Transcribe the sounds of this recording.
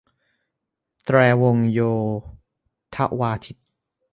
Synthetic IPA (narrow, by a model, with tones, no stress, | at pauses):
t̪ɾɛː˧wo˧ŋjoː˧ | t̪ʰa̰˦˥ʔwaː˧t̪ʰi˦˥t̪̚